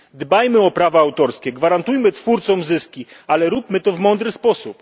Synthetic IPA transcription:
d̪bajmɘɔpɾavaawt̪ɔɾskʲɛɡvaɾant̪ujmɘt̪fuɾt̪sɔmzɘskʲialɛɾupmɘt̪ɔvmɔnd̪ɾɘspɔsup

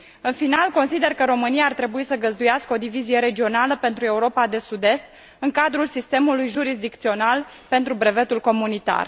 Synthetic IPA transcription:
ɨnfinalko̞nsid̪e̞rkəɾo̞mɨnijaːrt̪ɾe̞buisəɡəzd̪ujaskəo̞d̪ivizije̞ɾe̞d͡ʒio̞naləpe̞nt̪ɾue̞uɾo̞pad̪e̞sud̪e̞st̪̚ | ɨŋkad̪ɾulsist̪e̞mulujʒuɾizd̪ik̚t̪sio̞nal | pe̞nt̪ɾubɾe̞ve̞t̪ulko̞munit̪a̰r

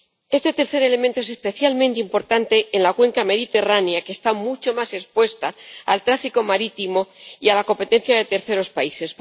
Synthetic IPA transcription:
e̞st̪e̞t̪e̞ɾθe̞ɾe̞le̞mẽnt̪oe̞sespe̞θjalmẽnt̪eimpo̞ɾt̪ant̪e̞ːnlakwe̞ŋkame̞ðit̪e̞raneake̞ːst̪amut͡ʃo̞mase̞spwe̞st̪aalt̪ɾafiko̞maɾit̪imo̞ialako̞mpe̞t̪e̞n̟θjaðe̞t̪e̞ɾθe̞ɾo̞spaise̞s

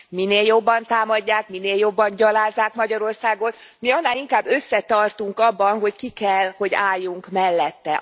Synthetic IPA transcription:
mineːljo̞bːɒnt̪aːmɒɟːaːkmineːljo̞bːɒɲɟɒlaːzːaːkmɒɟɒɾo̞rsaːɡo̞t̪ | miɒnːaːliŋkaːbːø̞sːɛt̪ɒrt̪uŋkɒbːɒnɦo̞ckikɛlho̞ɟa̰ːjːuŋkmɛlːɛt̪ːɛ

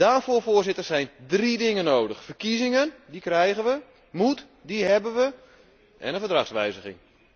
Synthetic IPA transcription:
d̥aːrfoːfoːrzɪtərsɛjndridɪŋənowdəxfərkizɪŋəndikrɛjɣənʋə | mut | diɦɛbənʋə | ʔɛ̰nənfərdraxsʋɛjzəɣɪ̰ŋ

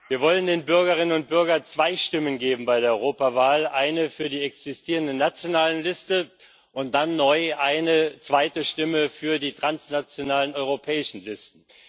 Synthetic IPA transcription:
viːɐvɔləndeːnbʏɐɡɐʁ̞ɪnənʊnt̚b̥ʏɐɡɐnt͡sv̥aɪʃtɪmənɡeːbm̩baɪɾeːɐɔʏʁoːpavaːlʔaɪnəfyːɐdiːɛksɪstʰiːʁ̞əndənat͡sjonaːləlɪstə | ʔʊnt̚d̥anːɔʏʔaɪnət͡sv̥aɪtəʃtɪməfyːɐdiːtʁ̥ansnat͡sjonaːlənɔʏʁopʰɛːɪʃn̩lɪstn̩

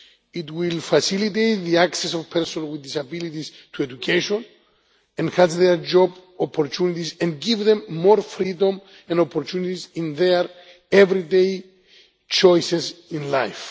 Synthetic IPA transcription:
itwilfasilit̪ejt̪ðiaksesovpʰɛɾsõnwiðːisabilit̪is | t̪ʰuedukʰeʃõn | ɛ̃nhazðeɾd͡ʒɔbopʰːoɾtʰunit̪isɛ̃nɡivðẽmːoɾfɾid̪õm | ɛ̃ndopʰoɾtʰunit̪isĩnðeɾ | evɾidej | t͡ʃojsesĩnlajf

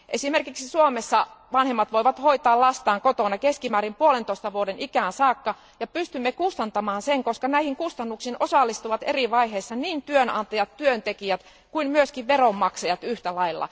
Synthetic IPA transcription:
ʔesimerkiksisuomesːɑʋɑnhemːɑt̪ʋoiʋɑt̪hoit̪ɑːllɑst̪ɑːŋkot̪onɑkeskimæːɾimpuolent̪oist̪ɑʋuodenikæːnsɑːkːɑ | jɑpyst̪ymːekust̪ɑnt̪ɑmɑːnseŋkoskɑnæihiŋkust̪ɑnːuksinʔosɑlːist̪uʋɑt̪eriʋɑiheːsːɑniːnt̪yønɑ̰nt̪ɑjɑt̪tyønt̪ekiæt̪ | kuimmyøskiʋʋeromːɑksɑjɑt̪yht̪ælɑilːɑ̰

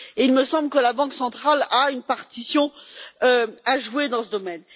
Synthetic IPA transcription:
eilməsɑ̃blkəlabɑ̃ksɑ̃t̪χalaynpaʁt̪isjɔ̃øaʒwed̪ɑ̃səd̪ɔmɛn

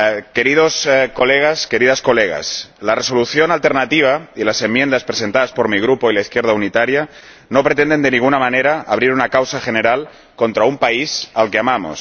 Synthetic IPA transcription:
ke̞ɾiðo̞sko̞leɣ̞aske̞ɾiðasko̞leɣ̞a̰slare̞so̞luθjo̞nalt̪e̞ɾnat̪iβ̞ailase̞mːje̞nd̪aspɾese̞nt̪aðaspo̞ɾmiɣ̞ɾupoilaiθkje̞ɾð̞aunit̪aɾja | no̞pɾe̞t̪end̪e̞nd̪eniŋɣunamane̞ɾaa̰βɾiɾunakawsaxe̞ne̞ɾal | ko̞nt̪ɾaumpaisalke̞amamo̰s

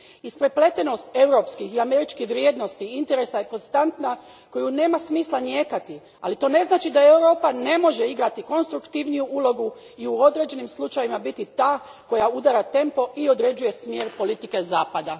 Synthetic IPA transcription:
ispɾeple̞t̪eno̞st̪e̞wɾo̞ːpskixiame̞ɾit͡ʃkixʋɾjed̪no̞st̪iint̪e̞ɾe̞sajeko̞nst̪ant̪na | ko̞june̞ːmasmiːslˠanjeːkat̪i | a̰lit̪o̞ːne̞znaːt͡ʃid̪ae̞wɾo̞ːpane̞mo̞ʒe̞iɡɾat̪iko̞nst̪ɾukt̪iʋnijuʔulˠo̞ɡu | iuo̞d̪ɾe̞ːd͡ʒe̞nimslˠut͡ʃaʋimabit̪it̪aːko̞jaud̪aɾat̪e̞mpo̞ʔio̞d̪ɾe̞d͡ʒuje̞smje̞ːɾpo̞lit̪ike̞zaːpad̪a

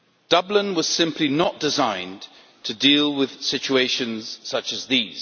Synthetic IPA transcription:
d̥ʌblɪ̃nwʌz̥sɪ̃mpʰlinəʔd̥ɪzãɪ̃n | tʰɨdilˠwɪð̥sɪt͡ʃueɪʃɨ̃nz̥sʌt͡ʃɨzðiz̥

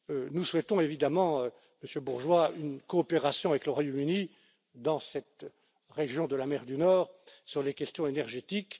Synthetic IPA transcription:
nuswɛt̪ɔ̃evid̪amɑ̃ø | məsjøbuʁʒwaynkɔːpeʁasjɔ̃avɛkləʁwajomyni | d̪ɑ̃sɛt̪ | ʁeʒjɔ̃d̪əlamɛʁd̪ynɔːʁsyʁlekʲɛst̪jɔ̃enɛʁʒet̪ik

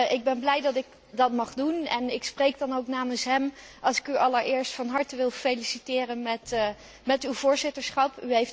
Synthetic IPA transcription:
ʔɪɡ̚bɛnblɛjdɑtɪk̚ | dɑtmɑχdunɛnɪksprejkdɑnowknaːmənsɦɛmʔɑlˠsɪ̥kyʔɑləɹɪːɹstfɑnɦɑɹtəʋɪlˠfelisitɪːrənmɛt | mɛtywvʊːɹzɪtəɹsχɑpyɦejf

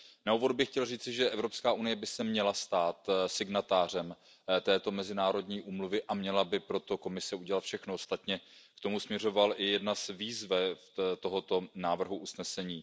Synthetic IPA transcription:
nauːvo̞dbɪxcɛlriːt͡sɪʒɛʔɛvɾo̞pskaːʔunɪjɛbɪsɛmɲɛlast̪aːt̪sɪɡnat̪aːr̝ɛm | t̪ɛːt̪o̞mɛzɪnaːɾo̞dɲiːʔuːmluvɪʔamɲɛlabɪpɾo̞t̪o̞ko̞mɪsɛuɟɛlat̪fʃɛxnoost̪at̪ɲɛkt̪o̞musmɲɛr̝o̞valʔɪjɛdnazviːzvɛ | t̪o̞ɦo̞t̪o̞naːvr̩ɦuʔusnɛsɛɲiː

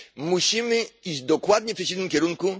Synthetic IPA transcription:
muɕimɘid̪ɔkwad̪ɲɛftɛt͡ɕ̬id̪nɪmkʲɛɾuŋku

